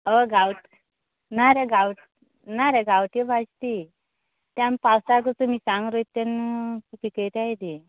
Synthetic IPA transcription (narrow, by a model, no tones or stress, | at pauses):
əɡawʈ | naɾeɡawʈ | naɾeɡawʈebʱast̪i | t̪jampawsaɡət͡sumiːsãŋɡɾojt̪ːenkupikəjʈ̪ajd̪i